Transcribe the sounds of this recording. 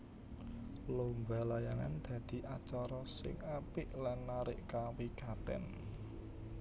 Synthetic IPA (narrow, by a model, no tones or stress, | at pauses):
lombalajaŋand̪̥ä̤d̪̥i̤ʔat͡ʃaɾɔsɪ̰ŋapɪʔlanːaɾɪʔkawikat̪ɛ̰n